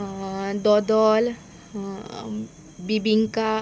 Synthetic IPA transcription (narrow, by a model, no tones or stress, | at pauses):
d̪ɔd̪ɔl | bibiŋka